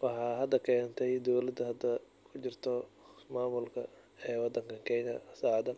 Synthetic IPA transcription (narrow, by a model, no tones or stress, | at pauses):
wɑħɑːɦɐd̪ɐkʰɛːnt̪ʰɛjd̪ɔwlɐd̪ɐɦɐd̪ɐ | kʰʊt͡ʃɪrt̪ʰɔmaːmʊlkʰɐ | ɛːwɑd̪ːɐŋkʰɐkʰɛnɐsaːʕd̪ɐ